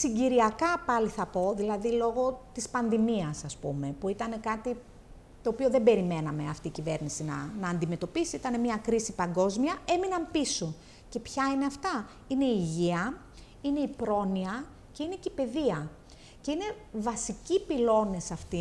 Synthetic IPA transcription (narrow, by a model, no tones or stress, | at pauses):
siɲɟiɾiɐkɐpɐliθɐpo̞ðilɐðilo̞ɣo̞t̪ispɐnðimiɐsɐspume̞puit̪ɐne̞kɐt̪i | t̪o̞ːpio̞ðe̞mbe̞ɾime̞nɐme̞ɐft̪iːcive̞ɾnisinɐ̰nɐːnd̪ime̞t̪o̞pisiit̪ɐne̞miɐkɾisipɐŋɡo̞zmiɐe̞minɐmpiso | ce̞pçɐine̞ɐft̪ɐ | ine̞ːʝiɐ | ine̞ipɾo̞niɐ | ce̞inecipe̞ðiɐ | ce̞ine̞ | vɐsicipilo̞ne̞sɐft̪i